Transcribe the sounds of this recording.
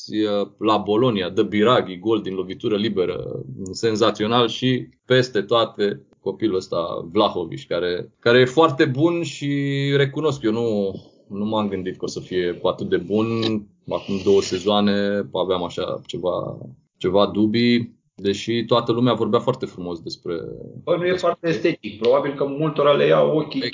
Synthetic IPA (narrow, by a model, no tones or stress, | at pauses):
səlabo̞lo̞niad̪əbiɾaɡiɡo̞ld̪inlo̞vit̪uɾəlibe̞ɾə̰se̞nzat̪sio̞nalʃi | pe̞st̪e̞t̪oat̪e̞ | ko̞piluəst̪a̰vlaho̞vḭʃʲkaɾe̞kaɾejefoart̪e̞bunʃiɾe̞kuno̞skjewnu | numamɡɨnd̪it̪kosəfije̞pat̪ɨt̪̚d̪e̞bun | a̰kumd̪o̞wəse̞zoane̞paveamaʃa̰t͡ʃe̞va̰ | t͡ʃe̞vad̪ubi | d̪e̞ʃit̪oat̪əlumeavo̞rbeafoart̪e̞fɾumo̞sd̪e̞spɾe̞̰bənujeffoart̪eːst̪et̪ik̚pɾo̞babilkəmult̪o̞ɾalejaokʲi